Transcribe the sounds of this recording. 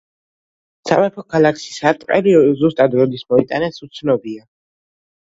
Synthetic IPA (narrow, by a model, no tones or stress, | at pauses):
sa̰mɛpʰɔkʰalakʰʃi̥sat̪ʼqʼɛlizust̪ʼad̪ɾɔd̪ismɔit̪ʼanɛsut̪sʰnɔbia